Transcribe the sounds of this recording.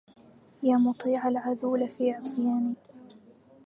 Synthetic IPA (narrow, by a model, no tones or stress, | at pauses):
jaːmʊt̪ˤiːʕalʕaðuːlafiːʕɑsˤjaːniː